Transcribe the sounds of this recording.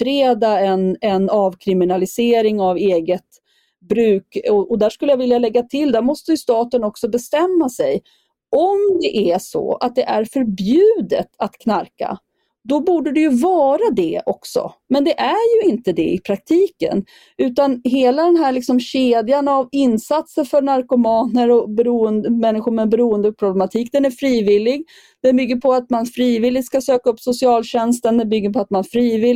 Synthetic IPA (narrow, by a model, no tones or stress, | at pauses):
fɾeːd̪aɛnɛnɑːvkʰɾɪmɪnalɪseːɾɪŋaveːɡət̪ | bɾʉ̟ːkɔʔɔd̪æʂkɵlːəjavɪljalɛɡːat̪ʰɪld̪æɾmɔst̪əjɵst̪ɑːt̪ənɔksɔbɛst̪ɛmːasɛj | ʔɔmd̪ɛʔæʂɔ̰a̰t̪̚d̪ɛʔæɾfœɾbjʉ̟ːd̪ə̰t̪at̪kʰnaɾka̰ | d̪ɔbuːɖəd̪ɛjɵvɑːɾad̪ɛɔksɔ̰mɛnd̪ɛʔæɾjɵɪnt̪əd̪ɛ̰ɪpʰɾak̚t̪ʰiːkə̰n | ʉ̟ːt̪anɦeːlad̪ɛnɦæɭɪksɔmɕeːd̪janavɪnːsat̪səɾfœɾɳaɾkʊmɑːnəɾɔbɛɾuːənd̪əmɛnːɪɧʊɾmɛbɛɾuːənd̪pʰɾʊblɛmat̪ʰiːk̚d̪ɛnæɾfɾiːvɪlːɪɡ | d̪̥ɛnbʏɡːəɾpʰɔat̪manfɾiːvɪlːɪt̪skasøːkaɵpːsʊsɪɑːlɕɛnst̪ənd̪ɛnbʏɡːəɾpʰɔat̪manfɾiːvɪ